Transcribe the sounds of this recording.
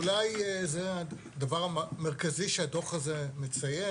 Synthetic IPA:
lajzea | davaʁame̞ʁ̞kaziʃeado̞χazemet͡saje

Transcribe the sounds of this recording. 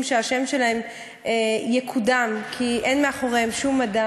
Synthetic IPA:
mʃeaʃe̞mʃe̞lahem | ejekʰudamkʰiʔenmeaχo̞ʁemʃumːada

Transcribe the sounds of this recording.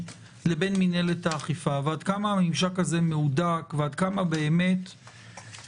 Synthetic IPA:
le̞be̞nmine̞letaːχifaveadkamaːmimʃakaze̞meudakveadkamabe̞ːme̞t

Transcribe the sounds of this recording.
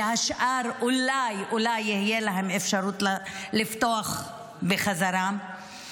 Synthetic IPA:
haʃʔaɾʔulajʔulajːihijelaɦemefʃaɾut̪llift̪oaχ | beχazaɾa

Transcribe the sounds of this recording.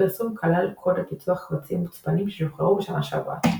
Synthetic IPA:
esumkʰalalkʰodapit͡suaχvat͡simut͡spanimʃeʃoχaʁubʃamaʃa̰va̰

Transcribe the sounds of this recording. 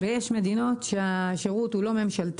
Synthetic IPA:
vejeʃme̞d̪ino̞t̪ʃeaʃeʁut̪hulo̞me̞mʃalt̪

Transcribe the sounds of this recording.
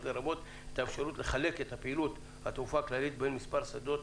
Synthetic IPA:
tleɾabo̞t̪ | et̪aefʃaɾut̪le̞χale̞ket̪hapeilut̪ | hat̪ufaːklalit̪be̞nmispaɾsad̪o̞t̪

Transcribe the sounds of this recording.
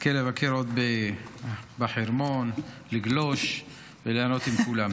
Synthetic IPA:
kelevakʰeɾot̪be | baħeɾmon | liɡloʃ | veleanot̪imkulam

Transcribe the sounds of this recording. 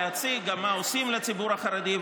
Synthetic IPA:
at͡siɡamaosimlet͡sibuɾaχaɾad̪i

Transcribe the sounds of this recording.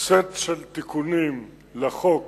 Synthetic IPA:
t͡set̪ʃelt̪ikʰunim | laχok

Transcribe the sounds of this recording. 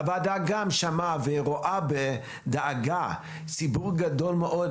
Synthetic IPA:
avaldaaɡamʃamaveʁoʔabe | daaɡa | sibuʁɡadolmeʔod

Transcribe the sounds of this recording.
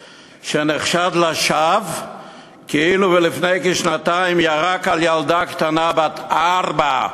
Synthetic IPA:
ʃeneχʃad̪laʃav | keiluvelifnejkeʃnat̪aimjaʁakaljald̪akt̪anabat̪aʁba

